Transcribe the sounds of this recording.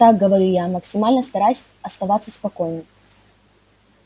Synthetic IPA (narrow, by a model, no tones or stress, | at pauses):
t̪aɡ̚ɡəvɐɾʲijamɐksʲɪmalʲnəst̪ɐɾajsʲ | ɐst̪ɐvat̪sːəspɐkojnɨ